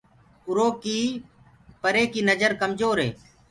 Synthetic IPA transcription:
ʊɾoːkiː | pəɾeːkiːnəd͡ʒəɾkəmzoːɾɦḛː

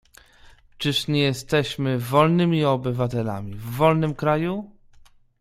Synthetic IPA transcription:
t͡ʂɘʂɲɛjɛst̪ɛɕmɘvɔlnɘmʲiɔbɘvat̪ɛla̰mʲivːɔlnɘmkɾaju

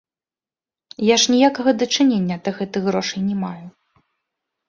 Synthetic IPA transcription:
jaʂnʲijakɐɣɐd̪ɐt͡ʂɨnʲenʲːɐt̪ɐɣɛt̪ɨɣɾɔʂɐjnʲɛmaju

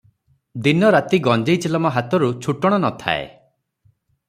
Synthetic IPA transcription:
d̪inɔɾat̪iɡɔnd͡ʒejt͡ʃilɔmɔɦat̪ɔɾut͡ʃʰuʈɔɽ̃ɔnɔt̪ʰa̰ḛ

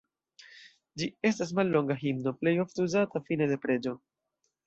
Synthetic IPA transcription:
d͡ʒie̞stas̬malːo̞ŋɡaɦimno̞ple̞jo̞fteuzatafine̞de̞pɾe̞d͡ʒo̞

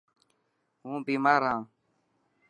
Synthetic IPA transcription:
ɦũːbiːmaːɾɦãː

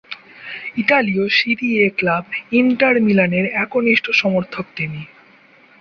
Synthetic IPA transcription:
iʈaliosibieklabiɳʈaɾmilaneɾɛkoniʃʈʰoʃɔmoɾt̪ʰok̚t̪ini

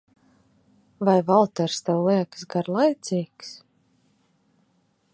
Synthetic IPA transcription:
vajvalˠt̪ɛɾst̪ɛwlˠiɛksɡaɾlˠajt̪sʲiːks

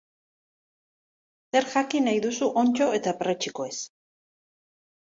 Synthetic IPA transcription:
se̞ɾʝakinajðusuʔo̞nt͡ʃo̞e̞t̪apret͡ʃikoe̞s

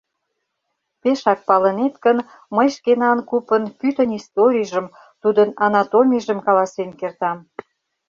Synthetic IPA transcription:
peʃɑk̚pɑlənet̪kən | məjʃkenɑnkupənpyt̪ənist̪oɾʲijʒəm | t̪ud̪ənɑnɑt̪omʲiʒəmkɑlɑsenkert̪ɑm

